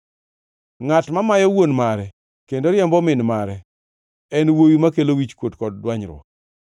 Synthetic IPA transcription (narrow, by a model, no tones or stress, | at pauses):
ŋatmamajɔwonmaɾɛ | kendoɾjɛmbɔmɪnmaɾɛ | ɛnwowimakelowit͡ʃkwotkɔd̚ːwaɲɾwɔ̰